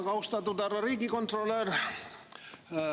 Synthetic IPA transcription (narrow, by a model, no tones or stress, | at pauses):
kɑwst̪ɑt̪ut̪ærɑriːɡikont̪rolør